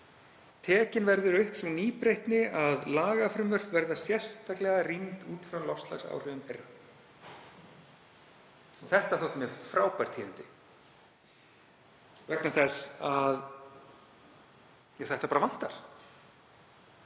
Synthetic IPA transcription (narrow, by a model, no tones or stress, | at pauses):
t̪ʰɛːcɪnvɛɾðʏɾʏhpsɔniːpɾejht̪nɪaðlaːɣafɾʏmvœr̥pvɛɾðasjɛ̥st̪aklɛɣarint̪uːt̪fɾawlɔst̪la̰xsa̰wr̥ʏðʏmfejra | ɔθɛht̪aθowht̪mɛfɾaːwpajɾ̥t̪ʰiːɪnt̪ɪ | vɛknaθɛsað | jaθɛht̪apaɾavan̥t̪aɾ̥